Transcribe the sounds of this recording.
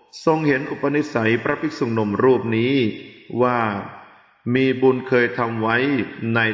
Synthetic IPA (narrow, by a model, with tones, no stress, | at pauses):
so˧ŋhe˩˦nʔu˨˩pːa˧ni˦˥sa˩˦jpɾa˦˥pʰi˦˥su˨˩ŋno˧mɾuː˥˩p̚niː˦˥waː˥˩ | miː˧bu˧nkʰɤː˧jt̪ʰa˧mwa˦˥jna˧j